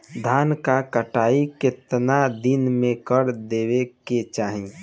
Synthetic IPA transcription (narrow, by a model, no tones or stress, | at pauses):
d̪ʱaːnkakəʈaːikɪt̪nad̪ɪnmẽkəɾd̪eːʋeket͡ʃaːɦĩ